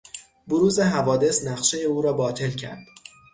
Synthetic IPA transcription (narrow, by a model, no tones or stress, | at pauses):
boɾuːze̞ɦævɒːd̪e̞snæχʃe̞jeuːɾɒːbɒːt̪ʰe̞lcʰæ̰ɾd̪̥